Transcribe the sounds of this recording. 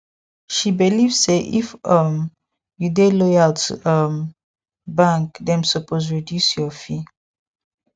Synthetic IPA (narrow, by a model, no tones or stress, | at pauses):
ʃibilivsseʔḭfʌm | judelɔjaltuʔʌm | bãŋkdɛ̃msəpoz̬ɹidjusjɔfi